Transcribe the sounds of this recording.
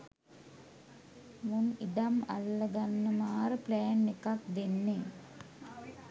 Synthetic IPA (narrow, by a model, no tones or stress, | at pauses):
munid̪ama̰lːəɡanːəmaːɾəplæːnːekak̚d̪enːe